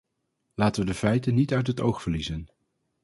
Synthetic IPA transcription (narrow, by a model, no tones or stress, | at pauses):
laːtəʋədəvɛjtənːitœɥtɦətowχfəɹlizən